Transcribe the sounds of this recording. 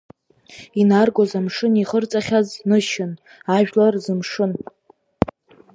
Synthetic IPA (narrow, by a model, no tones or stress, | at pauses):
inarɡʷozamʂɨniχərt͡sʼaχʲaznɨʃɪn | aʒᶣlarzɨmʂɨn